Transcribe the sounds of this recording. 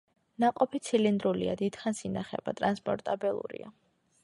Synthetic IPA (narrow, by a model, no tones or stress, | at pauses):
naqʼɔpʰit̪sʰilind̪ɾuliad̪id̪̥χansinaχɛbat̪ʼɾanspʼɔɾt̪ʼabilˠṵɾḭa